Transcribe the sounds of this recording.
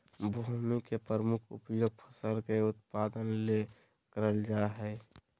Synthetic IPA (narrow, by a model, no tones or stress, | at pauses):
bʱomikepɾɾəmʊkʰṵpjoːɡ̚pʰəsəlkeʊt̪̚pad̪ənle | kəɾəld͡ʒaɦɛ